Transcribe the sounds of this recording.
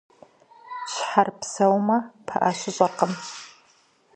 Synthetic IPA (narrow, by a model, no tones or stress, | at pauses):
ɕħarpsɐwmɐpʰɐʔaɕɪɕʼɐrqəm